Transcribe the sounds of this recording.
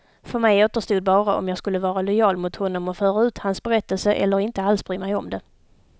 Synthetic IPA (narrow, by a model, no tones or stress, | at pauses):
fœɾmɛjoːt̪əʂt̪uːd̪̚bɑːɾaʔɔ̰mjɑːɡskɵlːəvɑːɾalɔjɑːlmʊt̪hɔnːɔmɔfœːɾaʉ̟ːt̪hansbɛɾɛt̪ːəlsəʔɛ̰lːəɾɪnt̪əalsbɾiːmɛjɔmd̪ɛ